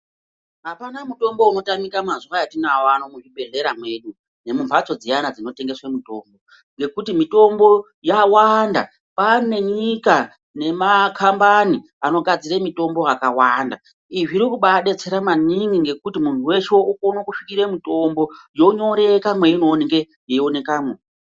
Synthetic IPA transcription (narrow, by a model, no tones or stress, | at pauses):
ɦapanamuto̞mbo̞uno̞tamikamazuʋajatinawanomuʐiɓe̞ɮe̞ɾamwe̞ɗu | ne̞mumpʰat͡so̞d͡zianad͡zino̞te̞ŋɡe̞swemito̞ːmbo̞ | ŋɡe̞kutimito̞mbo̞ | jawanda̰ | pane̞ɲika | ne̞makʰambani | ano̞ɡʱad͡ziɾemito̞mbo̞akawanda | iʐiɾikuɓaɗe̞t͡se̞ɾamaniŋɡiŋɡe̞kutimuntʰuwe̞t͡ʃeukonwokuʂikiɾemito̞mbo̞jo̞ɲo̞ɾe̞kamwe̞ino̞neŋɡe | jeone̞kaːmwe